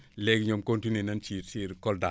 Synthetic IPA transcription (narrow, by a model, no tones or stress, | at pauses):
leɡɲomkontinenant͡ʃiɾsiɾkolda